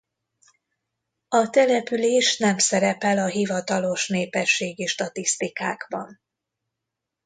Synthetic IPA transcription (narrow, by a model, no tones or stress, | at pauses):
ɒt̪ɛlɛpyleːʃnɛmsɛɾɛpɛlɒɦivɒt̪ɒlo̞ʃneːpɛʃːeːɡiʃt̪ɒt̪ist̪ikaːɡ̥bɒ̰n